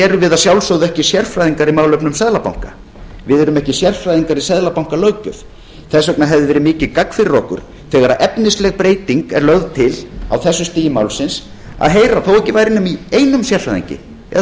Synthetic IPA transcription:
ɛɾʏvɪðasjawlsowðʏɛhcɪsjɛr̥fɾajðiŋkaɾimaːwlœpnʏmsɛðlapa̰wŋ̥ka̰ | vɪðɛɾʏmɛhcɪsjɛr̥fɾajðiŋkaɾisɛðlapawŋ̥kalœɥcʏθ | θɛsœknaɦɛvðɪvɛːɾɪmɪːcɪkakfɪɾrɔkʏ̰ɾ̥ | θɛːɣaɾaʔɛpnɪslɛɣpɾeːjt̪iŋkɛɾlœɣðt̪ʰɪla̰wθɛsːʏst̪iːjɪmawlsɪns | a̰ðɦejɾaθowɛhcɪvaːjɾɪnːʏmieːjnʏmsjɛr̥fajðḭɲcɪ̰ | ɛ

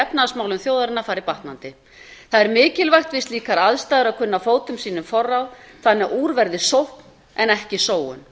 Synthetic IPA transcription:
ɛpnaðsmaːwlʏmθjowðaɾɪnːafaːɾɪpaht̪nant̪ɪ | θaðɛɾmɪːcɪlvajxt̪vɪst̪liːkaɾaðst̪ajðʏɾaðkʰʏnːafoːwt̪ʏmsiːnʏmfɔrːaw | θanːɛɣʔuːɾvɛɾðɪsowhpn | ɛnɛhcɪsoːwʏ̰n

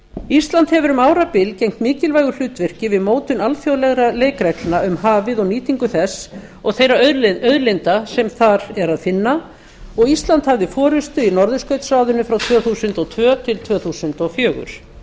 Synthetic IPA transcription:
ist̪lant̪hɛvʏɾʏmaːwɾapɪlcejŋ̥t̪mɪːcɪlvajɣʏl̥ʏt̪vɛr̥cɪvɪðmoːwt̪ʏnalfjowlɛɣɾaleːjkɾɛklnaʏmɦaːvɪðɔɣniːt̪iŋkʏθɛs | ɔɣθejɾaœðɾlɪnt̪asɛmθaɾɛɾaðfɪnːa | ɔɣist̪lant̪havðɪfɔːɾʏst̪ʏinɔɾðʏskœɥt̪saːwðʏnːʏfɾawt̪ʰvœːθusʏnt̪ɔt̪ʰvœːt̪ʰɪlt̪ʰvœːθusʏnt̪ɔfjœːɣʏ̰ɾ̥

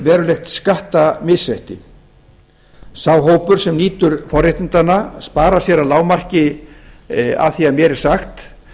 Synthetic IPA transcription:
vɛːɾʏlejxt̪skaht̪amɪðsɛht̪ɪ | saːwɦoːwpʏɾ̥sɛmniːt̪ʏɾ̥fɔrjɪht̪ɪnt̪anːaspaːɾasjɛɾalaːwmar̥cɪ | a̰θiamjɛɾɛɾ̥saxt̪

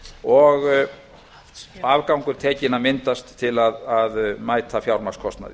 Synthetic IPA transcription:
ɔɣ | avkawŋkʏɾ̥t̪ʰɛːcɪnamɪnt̪ast̪ʰːɪlaðaðmaːjt̪ʰafjawɾmaskʰɔst̪na̰ðɪ

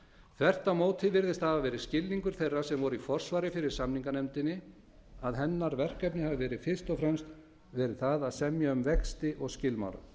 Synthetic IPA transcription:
θʰvɛr̥t̪amoːwt̪ʰɪvɪɾðɪst̪havavɛːɾɪscɪlniŋkʏɾ̥θejrːasɛmvɔɾifɔr̥svaːɾɪfɪɾɪɾ̥samniŋkanɛmt̪ɪnːɪ | aðɦɛnːaɾvɛr̥kɛpnɪhavɪvɛːɾɪfɪ̥st̪ɔfɾɛmst̪ | vɛːɾɪ̥θaðaðsɛmjaʏmvɛkst̪ɪʔɔɣscɪlma̰wɾa̰

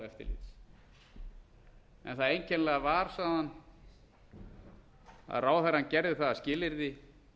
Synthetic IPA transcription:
ɛft̪ɪ̰lḭt̪s | ɛ̰nθaðejncʰɛnlɛɣavaɾ̥saːðan | a̰ðraːwθaɾancɛɾðɪθaðascɪːlɪɾðɪ

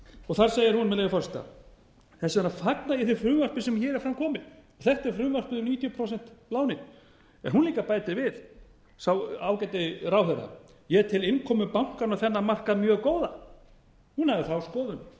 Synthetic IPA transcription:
ɔɣθaɾ̥seːjɪɾhunmɛðlejvɪfɔrsi̥t̪a̰ | θɛsnafaknaɪθɪfɾʏːvar̥pɪsɛmçɛːɾɛɾ̥fɾamkʰɔːmɪðɔɣθɛht̪ɛɾfɾʏːvar̥pɪðʏmniːt̪ʰjʏpʰɾows̬ɛn̥t̪laːwnɪ | ɛ̰nɦunliːkapaːjt̪ɪvɪð̥ | sawawkajt̪ɪrawhɛɾa̰ | jɛt̪ʰɪlɪnkʰɔːmʏpawŋ̥kaɾnaθɛnːamar̥kaðmjœːɣkoːwða | hunhavɪθawskɔːðʏn

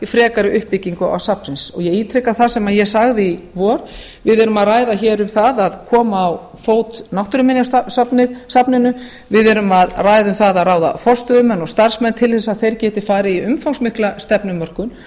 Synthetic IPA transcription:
ifɾɛːkaɾɪʔʏhpɪciŋkʏa̰wsapnsɪnsɔɣjɛɣiːt̪ʰɾɛkaθasɛmaðjɛsaɣðɪivɔɾ̥ | vɪðɛɾʏmaðraːjðaçɛːɾʏmθaðaðkʰɔːmaːw | foːwt̪nawht̪ʏɾʏmɪnjasapnɪðsapnɪnʏ | vɪðɛɾʏmaðraːjðʏmθaðaðraːwða̰fɔr̥st̪œðʏmɛnːɔɣst̪aɾ̥smɛnːt̪ʰɪlθɛsːaðθejɾcɛːt̪ɪfaːɾɪiʏmfawŋsmɪhklast̪ɛpnʏmːœr̥kʏn

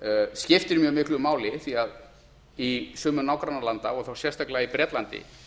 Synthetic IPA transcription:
scɪft̪ɪɾmjœːɣmɪhklʏmaːwlɪθiað | isʏːmʏnaːwkɾanːalant̪aɔɣθawsjɛst̪aklaipɾɛt̪lant̪ɪ̰

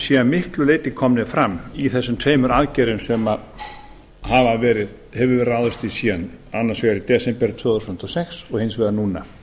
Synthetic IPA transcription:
siːðanmɪhklʏleːjt̪ɪkʰɔmnɪfɾamːiθɛsːʏmt̪ʰeːjmʏɾaðcɛːɾʏmsɛma | havavɛːɾɪð | hɛvʏvɛːɾaːwðʏst̪isiːðananːaɾ̥svɛɣaɾit̪ɛsɛmpɛɾt̪ʰvœːðθusn̥t̪ɔsɛxsɔɣhɪnsvɛːɾðanuːna̰

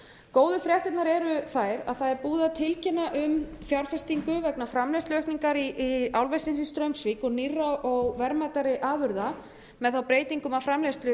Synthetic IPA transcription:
koːwðʏfɾjɛht̪ɪt̪naɾɛɾʏθaːjɾa̰ðθaðɛɾpuːðat̪ʰɪlcɪnaʔʏm | fjawɾ̥fɛst̪iŋkʏvɛknafɾamlɛjst̪lœhkniŋkaɾiawlvɛjsɪnsist̪ɾœɥmsvikɔɣnirːaɔɣvɛɾmajt̪aɾɪʔaːvʏɾða | mɛðθawpɾeːjt̪iŋkʏmafɾamlɛst̪lʏ

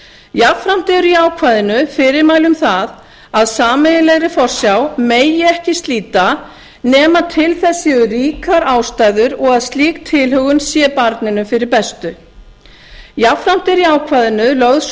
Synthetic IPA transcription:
jafɾam̥t̪ɪɾiaːwkʰvajðɪnʏfɪɾɪɾmaːjlʏmθað | aðsaːmɛɪlɛɣɾɪfɔr̥sjawmeːjɪɛhcɪst̪liːt̪a | nɛːmat̪ʰɪlθɛsːɪʏɾiːkaɾaːwst̪aːjðʏɾɔɣaðst̪liːk̚t̪ʰɪlhœɣʏnsjɛːpaɾt̪nɪnʏfɪɾɪɾpɛst̪ʏ | jafɾam̥t̪ɪɾiaːwkʰvajðɪnʏlœɣðs

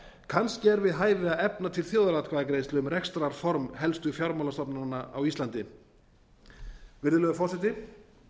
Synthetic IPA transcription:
kʰanscɪɛɾvɪðɦaːjɾɪaðɛpnat̪ʰɪlθjoːwðalat̪kʰvaðakɾejst̪lʏʏmɾɛkst̪ɾaɾ̥fɔɾmhɛlst̪ʏfjawɾmawlast̪ɔpnanːaa̰wist̪lant̪ɪ | vɪɾðʏlœɣʏfɔrsɪt̪̬ɪ

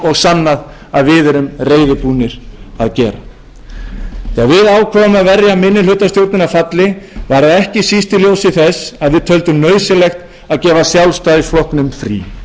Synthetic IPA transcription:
ɔɣsanːað | aðvɪːðʏɾʏmreːjðɪpuːnɪɾ̥aðcɛːɾa̰ | θɛaðvɪðaːwkʰvɔːvʏmaðvɛrjamɪnːɪlʏt̪asjowɾt̪nɪnafat̪lɪvaɾðaɛhcɪsist̪ɪljoːwsɪθɛsaðvɪðt̪ʰœlt̪ʏmnœːɥsɪlɛxt̪ | aðcɛːvasjawlst̪ajsflɔhknʏmfɾḭ

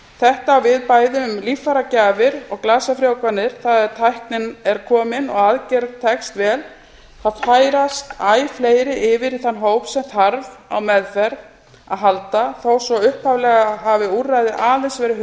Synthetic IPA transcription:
θɛht̪aːwvɪðpaːjðʏmlifaɾacaːvɪɾɔɣklaːsafɾjaːwkvanːɪɾ̥θaðɛt̪ʰajhknɪnɛɾkʰɔːmɪnɔɣaðcɛɾðt̪ʰɛkst̪vɛːl | θaðfaːjɾast̪aːjfleːjɾɪʔɪvɪɾiθanːɦowpsɛmθaɾva̰wmɛðfɛɾ | a̰ðɦalt̪aθowsɔʏhpavlɛɣaɦavɪurːajðɪʔaːðɛnsvɛːɾɪh

